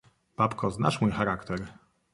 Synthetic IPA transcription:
b̥apkɔzna̰ʂmujxaɾakt̪ɛɾ

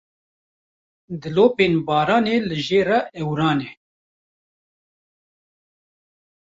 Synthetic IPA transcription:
d̪ɨloːpeːnbɑːɾɑːneːlɨʒeːraʔɛwɾɑːneː

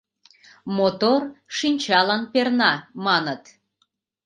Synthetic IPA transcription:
mot̪orʃinʲt͡ɕɑlɑnpernɑmɑnət̪

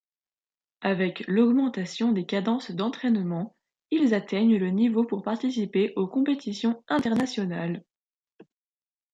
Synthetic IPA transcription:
avɛklɔɡmɑ̃t̪asjɔ̃d̪ekad̪ɑ̃sd̪ɑ̃t̪χɛnmɑ̃ | ilzat̪ɛɲlənivopuʁpaʁt̪isipeʔokɔ̃pet̪isjɔ̃ɛ̃t̪ɛʁnasjɔnal

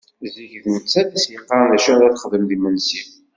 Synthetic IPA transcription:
ziʝðmət͡sːæðæsjəqːɑðæʃʊðæθə̥χðəmðimənsim

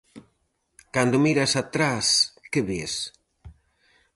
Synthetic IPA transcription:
kand̪omiɾasat̪ɾaskeβes

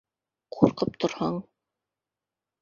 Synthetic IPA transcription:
qʰuɾqɤp̚t̪ʰŏɾhɑɴ

